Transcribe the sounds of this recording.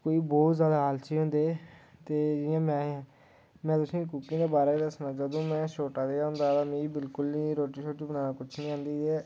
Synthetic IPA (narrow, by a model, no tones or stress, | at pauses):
koːiːbɔːt̪zjaːd̪aːɦaːlt͡ʃiːɦʊ̃nd̪eːt̪eːd͡ʒɪãːmɛ̃ː | mɛ̃ːt̪ʊsĩːkukːĩːd̪eːbaːɾeːd̪əsnãːd͡ʒəd̪õːmɛ̃ːʃoːʈaːd̪eːaɦʊ̃nd̪aːt̪aːmĩːbɪlkʊlnĩːɾoːʈiːʃoːʈːibənaːnaːkʊt͡ʃʰnĩːãːnd̪iːɛː